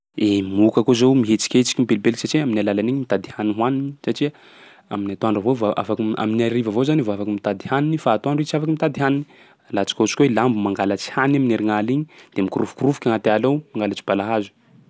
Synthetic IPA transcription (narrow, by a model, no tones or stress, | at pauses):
emukakozewmiɦet͡ʃi̥kʲet͡si̥kʲimibelbelsaʈ͡ʂiaminalalaniɲimit̪ad̪ihaniɦwaninisaʈ͡ʂia | aminat̪oaɳɖ͡ʐavovaʔa̰fakua̰minaɾivavozanivoafakimit̪ad̪ihaninifaːt̪oaɳɖ͡ʐit͡siafakimit̪ad̪iɦanini | lat͡si̥kʲut͡si̥kʲwelambumaŋɡalat͡si̥hanamineɾiŋaliɲid̪̥emikuɾufkuɾufu̥kʲaŋat̪ealowmaŋɡalat͡si̥balaɦazu̥